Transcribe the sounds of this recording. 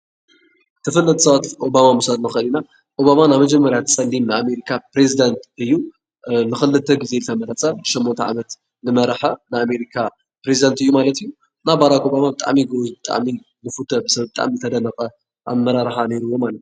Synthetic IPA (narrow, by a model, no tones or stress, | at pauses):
t̪ʰɨfɨlːɐt̪ʰsɐβat̪o̞bamamusalnɨxlina | ʔo̞bamanaβmɐd͡ʒɛmːɐɾjat̪ʰt͡sʼɐlːimnɨame̞ɾikʰapɾezid̪ɐnt̪ɨjːu | nɨxɨlːɨt̪ʰːɐɡɨze̞lɨt̪ʰɐmɐɾɐt͡sʼɐmbɨʃomːont̪ʰaʕamɐt̪ | nɨmɐɾħɐnɨame̞ɾikʰa | pɾezid̪ant̪ɨjːumalɐt̪iju | nabaɾako̞bamabɨt̪ʼa̰ʕmiɡozbɨt̪ʼa̰ʕmi | nɨfut̪ʰɐbɨsɐβbɨt̪ʼa̰ʕmizɨt̪ʰɐd̪ɐnɐkʼɐ | ʔa̰mːɐɾaɾħane̞ɾuwːo̞malɐt̪